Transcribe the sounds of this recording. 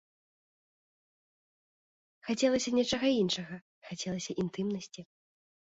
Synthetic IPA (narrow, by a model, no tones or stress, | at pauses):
xat͡sʲɛlˠɐsʲɐnʲɛt͡ʂɐɣɐinʂɐɣɐ | xat͡sʲɛlˠɐsʲɐʔint̪ɨmnɐsʲt͡sʲi